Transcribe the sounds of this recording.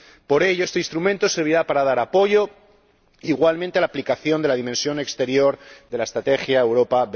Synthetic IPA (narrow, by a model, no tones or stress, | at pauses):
po̞ɾe̞ʝoest̪einst̪ɾumẽnt̪o̞se̞ɾβ̞iɾapaɾað̞aɾapo̞ʝo̞ | iɣwalmẽnt̪elaplikaθjo̞nd̪elaðimẽnsjo̞ne̞kst̪e̞ɾjo̞ɾðe̞laest̪ɾat̪e̞xjaewɾo̞paβ